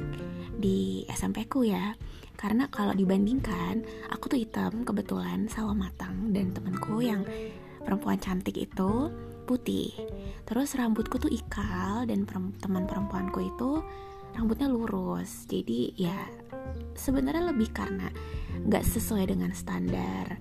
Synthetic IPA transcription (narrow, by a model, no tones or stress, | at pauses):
diɛ̰sɛmpekuja | kaɾənakalo̰dibandiŋkanʔa̰kut̪uit̪əmkəbət̪ulansawamat̪aŋdant̪əmənkʰujaŋ | pəɾəmpuant͡ʃant̪ɪkḭt̪u | put̪ɪ̰ht̪əɾʊsrambʊt̪̚kut̪uʔikʰaldanpəɾət̪əmənpəɾəmpuankuit̪u | rambʊt̪̚ɲaluɾʊsd͡ʒa̰dija | səbənarɲaləbɪhkarəna̰ŋɡa̰ʔsəsuajdəŋanst̪anda̰r